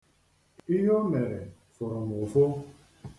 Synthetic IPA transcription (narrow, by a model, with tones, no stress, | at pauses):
i˦ɦo˦me˨ɾe˨ | fʊ˨ɾʊ˨mʊ˨fʊ˦